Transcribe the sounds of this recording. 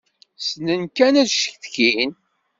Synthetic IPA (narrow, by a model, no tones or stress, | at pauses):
snənkænæðʃə̥çθkin